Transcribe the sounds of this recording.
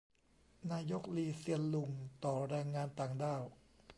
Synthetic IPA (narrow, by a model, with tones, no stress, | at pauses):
naː˧jo˦˥k̚liː˧si˧ənlu˧ŋt̪ɔː˨˩ɾɛː˧ŋːaː˧nt̪aː˨˩ŋdaː˥˩w